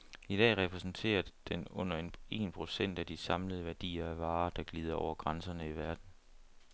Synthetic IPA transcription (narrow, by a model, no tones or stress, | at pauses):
id̥ɛ̰ːʁɛpʰʁɛsn̩t͡sʰe̝̰ːɐd̥enɔ̽n̰ɐene̝̰ːnpʰʁo̝sen̰d̥æd̥isɑ̈mləð̩ˠʋæɐd̥ḭːɐæʋɑ̈ːd̥ɑ̈ɡ̥liːð̞ˠɐɒʊ̰ɐɡ̥ʁɑnsɐnəiʋæɐd̥n̩